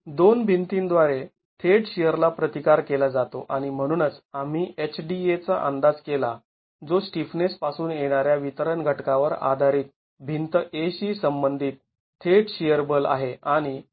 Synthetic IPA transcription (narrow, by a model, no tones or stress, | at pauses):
d̪onbʱint̪ind̪ʋaɾe | t̪ʰeʈɕijəɾlapɾət̪ikaɾkelad͡zat̪oʔaɽ̃im̤əɽ̃uːnət͡sam̤iːet͡ɕʰɖiet͡saʔə̰nd̪ad͡zkela | d͡zosʈifnespasuːnjeɽ̃aɾjaʋit̪əɾəɳɡʱəʈkaʋəɾa̰d̪ʱaɾiːt̪̚ | bʱint̪əʔeɕiːsəmbənd̪ʱiːt̪̚ʰː | eʈɕijəɾbəla̰ɦeaɽ̃i